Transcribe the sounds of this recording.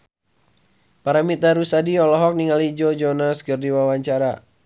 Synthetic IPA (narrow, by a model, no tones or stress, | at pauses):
paɾamit̪aɾusadiɔlɔɦɔk̚niŋalid͡ʒɔd͡ʒɔnaskɨrdiwawaɲt͡ʃaɾa